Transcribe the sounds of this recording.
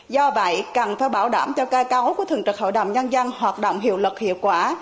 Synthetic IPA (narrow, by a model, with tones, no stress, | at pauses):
zɔ˧və̰˧˨jka˨˩nfaː˨˩˦jɓaː˧˩wɗa̰ː˧˩mt͡ɕɔ˧kaː˧jka˨˦wku˧˩ət̪ʰɨ˨˩ŋt͡ɕə˨˩k̚ho̰˧˨jɗə̰˧˨wŋ͡mɲə˧nza˧ŋhwaː˨˩t̚ɗo̰˧˨wŋ͡mɦḭ˧˨əwlə˨˩t̚hḭ˧˨əwt̚kwaː˧˩